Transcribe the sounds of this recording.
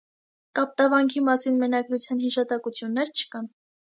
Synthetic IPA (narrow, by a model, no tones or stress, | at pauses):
kɑp̚t̪ɑvɑŋkʰimɑsinmənɑɡɾut͡sʰjɑnhiʃɑt̪ɑkut͡sʰjunːɛɾt͡ʃʰə̥kɑn